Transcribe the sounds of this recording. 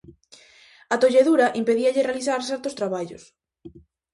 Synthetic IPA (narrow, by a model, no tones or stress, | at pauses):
at̪oʎeðuɾɐʔimpeðiaʎerealiθaɾθɛɾt̪ost̪ɾaβaʎos